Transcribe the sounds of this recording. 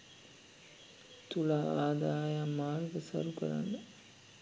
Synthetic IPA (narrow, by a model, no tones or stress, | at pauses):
t̪ulaaːd̪aːjamːaːɾɡəsa̰ɾukə̰ɾa̰nːə